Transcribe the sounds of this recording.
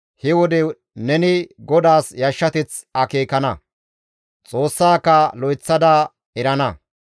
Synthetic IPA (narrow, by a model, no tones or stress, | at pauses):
hɛwɔd̪ɛ | nɛnɪɡɔd̪aːsjɐʃːɐt̪ɪt͡sɐkeːkɐnɐ | t͡sʼoːsːaːkːɐlɔjt͡sːɐd̪a | ɛɾɐnɐ